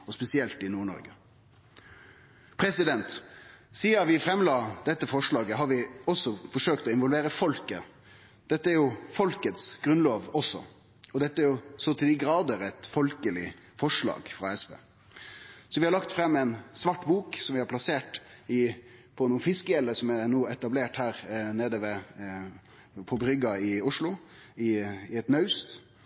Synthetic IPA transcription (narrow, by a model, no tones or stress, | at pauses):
ɔspɛsɪɛlt̪ɪnuːɳɔ̰ɾɡə | pʰɾɛsɪd̪ɛnt̪ | siːɑʋɪfɾɛmlɑːd̪̥ɛt̪ːəfɔʂɭɑːɡəɦɑɾʋɪɔsːɔfɔʂøːkt̪ɔɪnʋɔlʋeːɾəfɔlkə | d̪̥ɛt̪ːəæɾjʊfɔlkət̪sɡ̥ɾʉnloːʋɔsɔ̰ | ɔd̪ɛt̪ːəæɾjʊsɔt̪ʰɪd̪ɪɡɾɑːd̪əɾɛt̪fɔlkəlɪ̰ | fɔʂɭɑ̰ːɡfɾɑɛsbḛː | sɔʋɪhɑɾɭɑkt̪fɾɛmːɛɪnsʋɑʈːbuːksɔmʋɪhɑɾpʰlɑseːʈɪpʰɔnuːənfɪskəjɛlːəsɔmɛnuːɛt̪ɑbleːʈhæːɾneːd̪əʋɛ | pʰɔbɾʏɡɑɪʊʂlʊɪɪɛt̪nœʉst̪